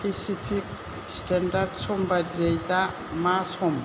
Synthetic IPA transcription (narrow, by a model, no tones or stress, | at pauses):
pesipʰik | standaɾdsɔmbadzejd̪a | masɔm